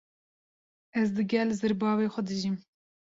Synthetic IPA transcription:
ɛzd̪ɨɡʲɛlːzɨɾbɑːveːxʷɛd̪ɨʒim

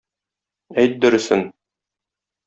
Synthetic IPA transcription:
æjt̪̚d̪ɵ̆ɾɘ̆sɘn

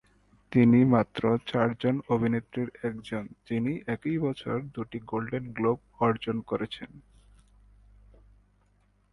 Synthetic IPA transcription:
t̪inimat̪ːɾot͡ɕaɾd͡ʑonobʱinet̪ːɾiɾɛkd͡ʑond͡ʑiniʔɛkijbɔt͡ɕʰoɾd̪uʈiɡolɖenɡlob̚ | ɔɾd͡ʑonkoɾet͡ɕʰen

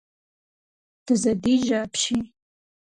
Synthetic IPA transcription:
d̥ɨzɐdiʒapʰʃi

